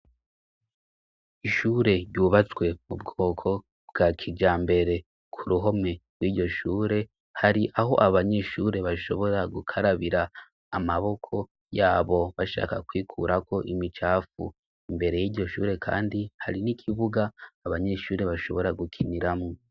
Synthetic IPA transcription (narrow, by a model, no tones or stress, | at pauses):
iʃuːɾe̞ɾɟuːβat͡swe̞mubɡoːkʰo̞ | bɡ̥aːkʰid͡ʒaːmbe̞ɾe̞ | kʰuɾuɦo̞me̞ɡwiːɟo̞ʃuːɾe̞ | haɾiʔaho̞ʔaβaɲe̞ʃuːɾe̞βaʃo̞βo̞ɾaɡukʰaɾaβiɾaː | maβo̞kʰo̞ | jaːβo̞βaʃa̰ːkakwiːkʰṵːɾako̞ʔimit͡ʃaːfṵ | imbe̞ɾe̞jiːɾɟo̞ʃṵːɾe̞kʰa̰ːndihaɾinikʰiβuɡaːβaɲe̞ʃuːɾe̞βaʃo̞̰βo̞ɾaɡukʰiniɾamŋo